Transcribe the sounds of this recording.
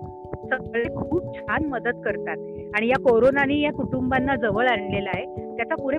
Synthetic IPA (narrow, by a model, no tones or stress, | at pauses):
səɡɭekʰuːb̚t͡ɕʰanməd̪əd̪kəɾt̪at̪̚ | aɽ̃ijakoɾonaniːjakuʈumbanːad͡zəʋəɭanlelaɦet̪jat͡sapuɽe